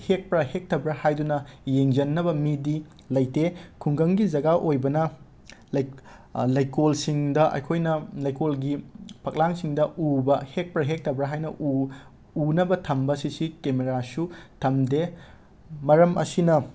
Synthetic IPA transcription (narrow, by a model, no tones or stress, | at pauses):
hek̚pɾɐhek̚tʰɐbɾɐhajdunɐjeŋd͡ʒɐnːɐbɐmidi | lɐjtekʰuŋɡɐŋɡid͡ʒɐɡaʔojbɐnɐ | lɐj | lɐjkolsiŋdɐʔɐ̰jkʰojnɐlɐjkolɡipʰɐk̚laŋsiŋdɐubɐhek̚pɾɐɦek̚tʰɐbɾɐɦajnɐʔu | unɐbɐtʰɐmbɐsisikemeɾasutʰɐmde | mɐɾɐmɐ̰sinɐ